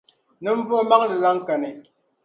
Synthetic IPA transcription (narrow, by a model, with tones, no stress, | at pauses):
nə˦ɱ̩˦vo˦ma˦ŋlə˨la˦ŋ˦ka˨ne˨